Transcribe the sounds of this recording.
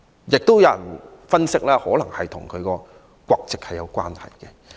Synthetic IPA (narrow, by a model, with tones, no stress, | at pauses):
jɪ˨k̚t̪o˥wjɐ˨˧wjɐ˨˩nfɐ˥nsɪ˥k̚laː˥hɔː˨˥lɐ˨˩ŋhɐ˨jt̪ʰʊ˨˩ŋkʰɵ˨˧kɔː˧ | kʷɔː˧k̚t͡sɪ˨k̚hɐ˨jːɐ˨˧wkʷa̰ː˥nhɐ̰˨jkɛ˧